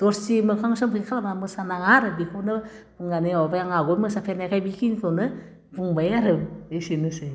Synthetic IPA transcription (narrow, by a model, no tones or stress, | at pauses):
d̥ɔɾsimɯkʰaŋsɔmpʰɯkʰalabamɯsanaŋaɾɯbikʰonɯ | buŋɡaneɔbajaŋaɡɔmɯsapʰenakʰajbikʰintʰɔnɯ | buŋbajŋaɾɯesinɯse